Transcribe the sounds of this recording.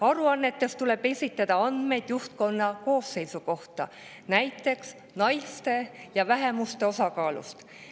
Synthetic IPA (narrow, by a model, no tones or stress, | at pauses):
ɑɾuɑnːe̞t̪ːˑe̞st̪ule̞b̥e̞sʲit̪ˑːɑd̪̥ɑɑnd̪̥me̞jd̪̥juht̪̚ko̞nːɑko̞ːsːe̞jsuko̞ht̪ɑ̰ | næjt̪ːˑe̞ks | nɑjst̪e̞jɑvæɦe̞must̪e̞o̞sɑkɑːlṵst̪